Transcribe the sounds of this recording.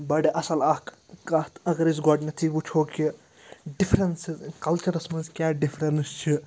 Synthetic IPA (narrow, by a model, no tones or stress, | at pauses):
bɐɽeʔɐsɐlɐk | kɐt̪ʰɐɡɐɾizɡɔːɖnɐt̪ʰibut͡ʃʰoːki | ɖifʰɾensizkɐlt͡ʃɐɾɐsmɐzkʲjaːɖifɾɐnst͡ʃʰi